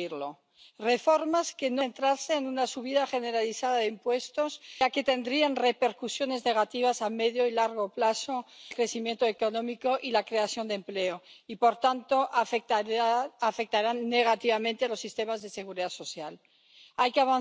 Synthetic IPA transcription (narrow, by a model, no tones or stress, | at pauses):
iɾlo | re̞fo̞ɾmaske̞nont̪ɾaɾse̞ːnunasuβ̞iðaxe̞ne̞ɾaliθaðaðeimpwe̞st̪o̞sake̞t̪e̞nd̪ɾianre̞pe̞ɾkusjo̞ne̞zne̞ɣ̞at̪iβ̞asame̞ðjo̞ilaɾɣ̞o̞plasoelkɾe̞θimje̞nt̪oeko̞nõ̞mikoʔilakɾe̞aθjo̞nd̪emple̞oipo̞ɾt̪ant̪o̞ʔ | afek̚t̪aɾanːe̞ɣ̞at̪iβamẽnt̪ealo̞sːist̪e̞mazðe̞se̞ɣ̞uɾiðaso̞θjal | ajkeaβan